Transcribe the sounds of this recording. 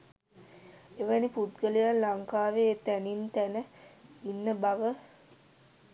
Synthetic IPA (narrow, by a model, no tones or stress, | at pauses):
eʋəniput̪ɡəlijanːaŋkaːʋet̪ænint̪ænəinːəbaʋə